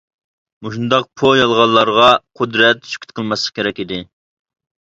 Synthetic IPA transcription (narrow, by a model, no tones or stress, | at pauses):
muʃund̪ɑq̚pʰojɑlˠʁɑlˠːɑɾʁɑqʰʊd̪ɾɛt̪ʃy̥kʲʰyt̪̚qʰəlˠmɑslˠəqkʲʰeɾɛkʲid̪ɪ